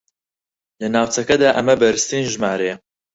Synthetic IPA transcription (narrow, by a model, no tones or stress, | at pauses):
lɨnaːwt͡sɐkɛd̪aːʔɐmɐbɐɾɨst̪iːnʒmaːɾeː